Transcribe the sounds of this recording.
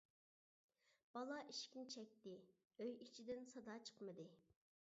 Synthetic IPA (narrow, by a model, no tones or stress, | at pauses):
b̥ɑlˠɑʔiʃkʲint͡ʃʰɛk̚ʲt̪ɪ | øjit͡ʃʰid̪ɪnsɑd̪ɑt͡ʃʰə̥qmɨd̪ɨ